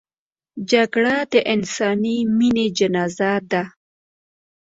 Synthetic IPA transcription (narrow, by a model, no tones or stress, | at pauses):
d͡ʒaɡɽad̪əʔɪnsɑnimined͡ʒanɑzad̪a